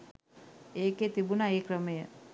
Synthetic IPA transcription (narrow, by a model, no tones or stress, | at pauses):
eːket̪ibunaeːkɾəməjə